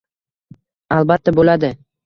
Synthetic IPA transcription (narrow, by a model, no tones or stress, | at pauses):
alˠbat̪ːabolad̪ɪ